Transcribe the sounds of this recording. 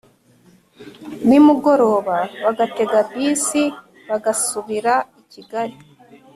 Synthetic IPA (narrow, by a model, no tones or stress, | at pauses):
nimuɡo̞ɾo̞ːβaβaɡate̞ɡabiːsi | βaɡasuβiɾaiciɡaɾi